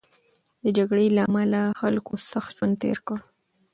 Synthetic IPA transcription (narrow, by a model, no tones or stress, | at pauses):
d̪əd͡ʒaɡɽelaːmalaxalkosaxt̪ʒwand̪̚t̪ḛɾkəɽ